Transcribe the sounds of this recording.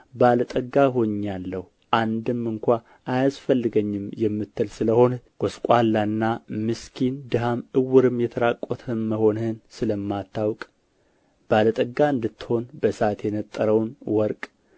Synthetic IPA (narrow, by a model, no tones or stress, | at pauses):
balət̪ʼəɡːaɦo̞ɲːalːəhu | ʔand̪ɨmːɨŋkʷa | ʔajasfəlːɨɡəɲːɪmjɛmːɨt̪ʰːɨlsɨləho̞nɡ̥oskʼalːaɨnːamɨskʰind̪ɨɦamɨwʊɾɨmjɛt̪ʰəɾakʼɔt̪ʰɨːəho̞nhɨnsɨləmːat̪ʰːawkʼ | balət̪ʼəɡːaɨnd̪ɨt̪ːɨ̥ho̞nbəsat̪jɛnət̪ʼːəɾəwnwɔɾkʼ